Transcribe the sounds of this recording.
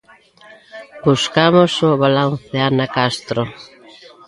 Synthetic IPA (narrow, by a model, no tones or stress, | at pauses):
buskamosʊβalanθeanakast̪ɾo